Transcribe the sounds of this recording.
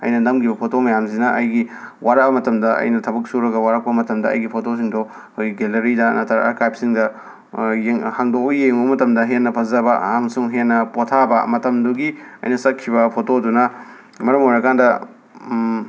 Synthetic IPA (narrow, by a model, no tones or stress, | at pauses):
ɐ̰jnɐnɐmkʰibɐpʰotomɐjamzinɐɐjɡiwaɾɐk̚bɐmɐtɐmdɐɐ̰jnɐtʰɐbɐk̚suɾɐɡɐwaɾɐk̚pɐmɐtɐmdɐɐ̰jɡipʰotos̬iŋdo | kojɡelɐɾidɐnatʰɐɾa̰ka̰kajp̚siŋdɐ | jeŋhaŋdokojeŋobɐmɐtɐmdɐɦenːɐpʰɐzɐbɐɦamsuŋɦenːɐpotʰabɐmɐtɐmduɡiɐ̰jnɐsɐkʰːibɐpʰotodunɐ | mɐɾɐmojɾɐkʰandɐ